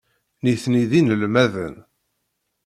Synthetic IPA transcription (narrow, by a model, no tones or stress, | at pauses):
niθniðinəlmæðə̰n